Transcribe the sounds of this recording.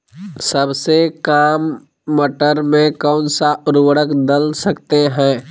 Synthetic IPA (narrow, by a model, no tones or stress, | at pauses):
səbsekaːmː | əʈəɾmẽkɔːnsaʊɾwəɽəkd̪əlsəkt̪eɦɛ̃ː